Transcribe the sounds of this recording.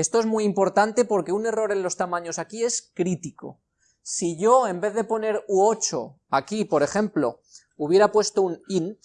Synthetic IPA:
e̞st̪oe̞zmuiimpo̞ɾt̪ant̪e̞po̞ɾke̞une̞ro̞ɾe̞nlo̞st̪amãɲo̞sakie̞skɾit̪iko̞̰ | siʝo̞e̞mbe̞ððe̞po̞ne̞ɾuot͡ʃo̞̰ | akipo̞ɾe̞χe̞mplo̞̰ | uβ̞je̞ɾapwe̞st̪o̞unin

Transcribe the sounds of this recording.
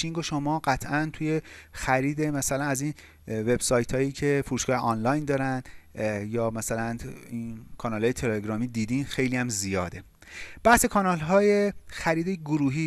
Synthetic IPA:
iŋɡoʃomɒːɢæt̪ʰʔænt̪ʰuje̞xæɾiːd̪e̞mæsælænæzin | ve̞b̥sɒːjt̪ʰɒːjiːcʰe̞fuɾuːʃɡɒːheʔɒːnlɒːjnd̪ɒːɾænd̪̥jɒːmæsælæninkʰɒːnɒːlɒːjet̪ʰeleɡɾɒːmiːd̪iːd̪iːnxe̞jliːjæmzijɒːd̪e̞ | b̥æhsekʰɒːnɒːlɦɒːjexæɾiːd̪eɡoɾuːɦiː

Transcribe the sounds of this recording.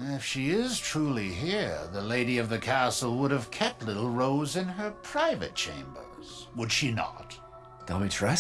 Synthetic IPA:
ɪfʃiɪz̥tʰɹ̥ulˠiɦiɹðəleɪɾiʌvðɨkʰæsl̩ˠwʊɾɨv̥kʰɛp̚tˡlɪɾl̩ˠɹoʊzɨ̃nə˞pʰɹ̥aɪvɨ̰t̚t͡ʃʰḛ̃ɪ̃mbə̰˞z̥ | wədʃinə̰t̚ | d̥ɑmitʰɹ̥ɛ

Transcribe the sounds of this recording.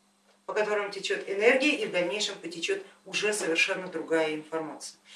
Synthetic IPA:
pəkɐt̪o̞ɾəmtʲɪt͡ɕot̪ɪnɛrɡʲɪjəʔivd̪ɐlʲnʲejʂɨmpətʲɪt͡ɕot̪ʊʐɛsəvʲɪrʂɛnːəd̪ɾʊɡajəɪnfɐrmat̪sɨjə

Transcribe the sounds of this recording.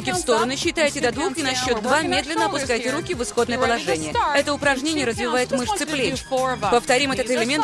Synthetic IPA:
kʲɪfst̪o̞ɾənʊɕːɪt̪ajtʲɪd̪ɐd̪vukɪnɐɕːo̞td̪̚d̪vamʲe̞d̪lʲɪnːəɐpʊskajtʲɪɾukʲɪvɨsxod̪nəjəpəlˠɐʐɛnʲɪjjəɛt̪əʊpɾɐʐnʲenʲɪjəɾəzvʲɪvajɪt̪mɨʂt̪sɨplʲepəft̪ɐɾʲimɛt̪ət̪ɨlʲɪmʲe̞nt̪

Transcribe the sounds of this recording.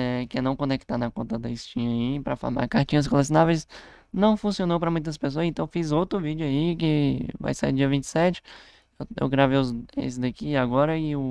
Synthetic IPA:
ɛkɪnɐ̃w̃kõnek̚t̪anɐkõnt̪ɐd̪ɐist͡ʃĩɲɐipɾɐfo̰ɾma̰ɾkaɾt͡ʃĩɲɐs̬koles̬inavejs | nɐ̃w̃fũsionowpɾɐmũj̃t̪̬ɐs̬pes̬oɐzẽnt̪ɐ̃w̃fizowt̪ɾʊvid͡ʒʊaikɪva̰jsaid͡ʒiɐvĩt͡ʃɪ̥sɛt͡ʃɪ̥ | ḛwɡɾavejʊzḛ̃sɪzd̪ɐkiaɡɔɾɐɪʊ

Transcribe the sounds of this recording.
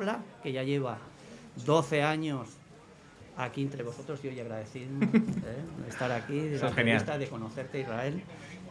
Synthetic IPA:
lake̞ʝaʝe̞β̞a | d̪o̞θe̞aɲo̞s | akient̪ɾe̞βo̞so̞t̪ɾo̞zʝojaɣɾaðe̞θiðmeḛst̪aɾakiðeaeaist̪aðeko̞no̞θe̞ɾt̪eirae̞l

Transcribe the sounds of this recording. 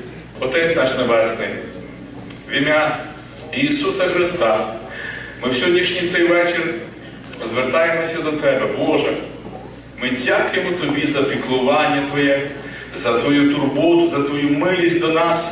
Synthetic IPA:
ɔt̪ɛsʲnɑʃnebɛsnɪj | ʋʲimʲa | iːsusɐxɾɪst̪ɑ | mɪwsʲɦɔdʲnʲiʃnʲijt̪sɛjʋɛt͡ʃɪr | zʋert̪ɑjemɔsʲɐd̪ɔt̪ɛbɛbɔʒɛ | mɪdʲakʊjemɔt̪ɔbʲizɐpʲiklˠʊʋɑnʲːɐt̪ʋɔjɛ | zɐt̪ʋɔjut̪ʊrbɔlʊzɐt̪ʋɔjumɪlʲisʲtʲd̪ɔnɑs

